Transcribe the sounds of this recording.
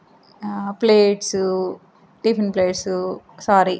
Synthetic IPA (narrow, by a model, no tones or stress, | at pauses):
pleːʈsu | ɖipʰɾeɳʈpleːʈsu | saːɾi